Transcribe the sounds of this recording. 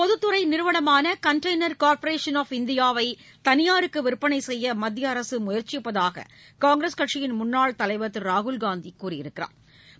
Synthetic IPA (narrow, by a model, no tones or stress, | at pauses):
pɔðɯt̪ːɯɾɐɪnɪɾɯʋɐɽɐmaːnɐkɐɳʈɐɪnɐɾkaːɾpɐɾeːʂɐnɔːfɪnd̪ɪjaːʋɐɪ | t̪ɐnɪjaːɾɯkːɯʋɪɾpːɐnɐɪsɛjːɐmɐd̪ːjɐːɾɐsɯmʊjɐɾt͡ʃːɪjɪpːɐðaːɣɐ̰ | kaːŋɡɾɐskɐʈʂɪjɪnmʊnːaːɭt̪ɐlɐɪʋɐt̪ːɯɾaːɣʊlɡaːnd̪ikːuːrɪjɪɾɯkːɪra̰ːm